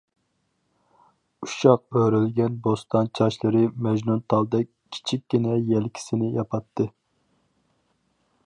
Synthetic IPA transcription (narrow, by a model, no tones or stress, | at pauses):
uʃɑq̚øɾylɡʲɛnbost̪ʰɑnt͡ʃʰɑʃlˠɨɾɨmɛʒnunt̪ʰɑlˠd̪ɛkʲʰi̥t͡ʃʰikʲːinɛjɛlkʲʰi̥sɪnɪjɑpʰɑt̪ʰːɨ